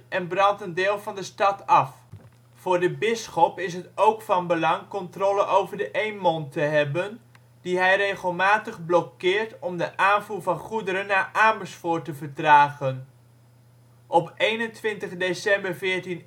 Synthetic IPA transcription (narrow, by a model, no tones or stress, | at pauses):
ʔɛnbrɑntəndɪːlˠvɑndəstɑtɑf | fʊːɹdəbɪsχɔpɪs̬ɦətowkfɑnbəlɑŋkɔntroːləʔowvəɹdəʔejnmɔntəɦɛbən | d̥iɦɛjrejχəlˠmaːtəχblɔkɪːɹtɔmdəʔaːnvuːɹvɑnχudəɾənːaːʔaːməsfʊːɹtəvəɹtraːχən | ʔɔpejnəntʋɪntəχdesɛmbəɹvɪːɹtin